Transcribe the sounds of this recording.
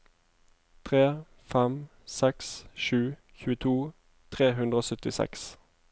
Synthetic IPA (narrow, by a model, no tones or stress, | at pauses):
t̪ʰʁeː | fɛm | sɛksʃʉː | çʉːət̪ʰuː | t̪ʰʁeːɦʉnd̪ʁəoːsœt̪ɪsɛ̰ks